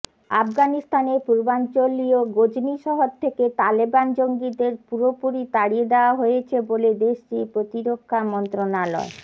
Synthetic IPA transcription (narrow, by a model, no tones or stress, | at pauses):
a̰fɡanist̪anepuɾbant͡ɕolioɡod͡ʑniʃɔɦoɾt̪ʰːeket̪aliband͡ʑoŋɡid̪eɾpuɾopuɾit̪aɽied̪eoaɦojet͡ɕʰeboled̪eʃʈipɾot̪iɾokʰːamɔnt̪ɾonalɔ̰e